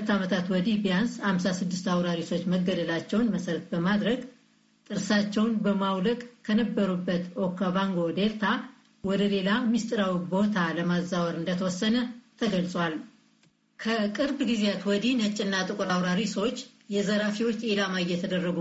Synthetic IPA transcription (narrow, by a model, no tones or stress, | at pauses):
hulət̪ːamət̪ʰat̪wɔd̪ibjanshamsasɨd̪ːɨst̪awɾaɾiso̞t͡ʃːməɡːəd̪əlat͡ʃːɛwnməsəɾət̪̚bəmad̪ɾəɡ | t̪ʼɨɾsat͡ʃːɛwnbəmawləkʼkʰənəbːəɾubːət̪okʰːavaŋɡo̞d̪elt̪ʰa | wɔd̪əle̞lamist̪ʼɨɾawibo̞t̪ʰaləmazːawəɾɨnd̪ət̪ʰəwɔsːənət̪ʰəɡəlsʼwal | kʰəkʼɨɾbɡizeat̪wɔd̪inət͡ʃʼːɨnːat̪ʼɨkʼuɾawɾaɾiswt͡ʃː | jɛzəɾafiwot͡ʃːelamajɛt̪ʰəd̪ərːəɡu